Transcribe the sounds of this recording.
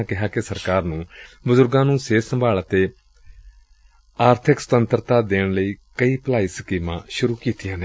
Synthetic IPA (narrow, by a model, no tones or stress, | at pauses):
kɪɦaːkɪsəɾkaːɾnũːbʊzʊɾɡãːnũːseːsəmbʱaːɭət̪eː | aːɾt̪ʰɪksə̥t̪ənt̪əɾt̪aːd̪eːɳləiːkəiːplaːiːsəkiːmã̰ːʃʊɾuːkiːt̪ijãːneː